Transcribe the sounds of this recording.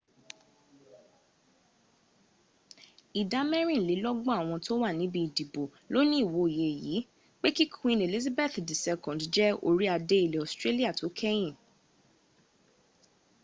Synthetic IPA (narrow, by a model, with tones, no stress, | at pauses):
i˨da˨˦mɛ˦ɾ̃ĩ˦˨li˨˦lɔ˦ɡ͡bɔ̃˦a˦˨w̃ɔ̃˧to˦wa˦˨nĩ˨˦bĩ˧i˨di˨bo˨ | lo˦nĩ˦˨wo˨˦˨je˨ji˨˦ | k͡pe˦ki˦kʰĩ˧ne˨li˦z̬a˦bɛ˦˨t̪di˨sɛ˧kɔ̃˨dd͡ʒɛ˦o̰˦˧ɾi˦a˧de˧˦i˨le˨ɔ˨stɾe˦li˦a˦˨to˨˦kʰɛ˦j̃ĩ˦˨